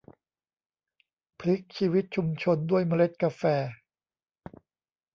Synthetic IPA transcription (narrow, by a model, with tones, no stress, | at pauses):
pʰli˦˥k̚t͡ɕʰiː˧wi˦˥t̪̚t͡ɕʰu˧mt͡ɕʰo˧ndu˥˩əjma˧le˦˥t̪̚ka˧fɛː˧